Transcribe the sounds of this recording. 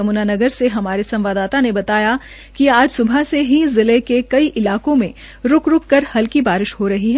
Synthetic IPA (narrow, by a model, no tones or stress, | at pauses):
ɐmuːnanɐɡəɾseɦɐmaːɾesɐ̃mʋaːd̪aːt̪anebɐt̪aːja | kiaːd͡ʒsʊbʱaseɦizɪlekekɐiʔɪlaːkõmẽ | ɾʊkɾʊkːɐɾhɐlkibaːɾɪʃhoɾɐɦiɦɛː